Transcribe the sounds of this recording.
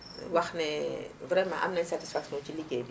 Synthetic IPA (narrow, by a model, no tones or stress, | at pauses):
waxnɛvɾɛmã̰ʔa̰mnɛsati̥sfaksjɔ̃t͡ʃiliɡeːb